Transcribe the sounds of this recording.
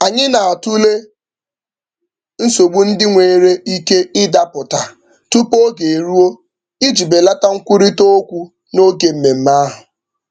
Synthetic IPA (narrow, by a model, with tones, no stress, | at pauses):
a˨ɲɪ˦na˨a˨tu˦le˦ | n̩˦so˨ɡ͡bu˦n̩˦dɪ˦ŋʷeː˨ɾe˦i˦ke˦ɪ˦da˦pʊ˨ta˨ | tu˦po˦ɡe˨e˨ɾu˦o˦ | i˦d͡ʒi˨be˨la˦ta˦ŋ̩˦kʷu˦ɾi˦to˦o˦kʷu˦ | no˦ɡe˨m̩˨me˨m̩˦ma˦ɦʊ˨